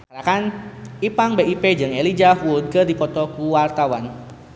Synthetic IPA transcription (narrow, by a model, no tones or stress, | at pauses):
ɾakanipaŋbeiped͡ʒɨŋelid͡ʒahuud̪̚kərdipɔt̪ɔkuwart̪awan